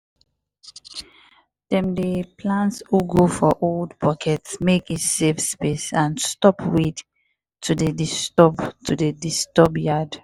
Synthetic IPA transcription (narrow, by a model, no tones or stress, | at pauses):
d̥ɛ̃mdepʰlãntshuɡofɔʔoldpʰɔkʰɛtsmekitsefspesãnstɔpʰwid | tʰudedistɔbtʰudedistɔbjad